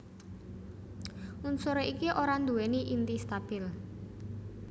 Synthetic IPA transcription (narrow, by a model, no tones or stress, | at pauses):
munsoɾoʔikiʔoɾand̪uwɛniʔint̪ist̪ab̥ɪl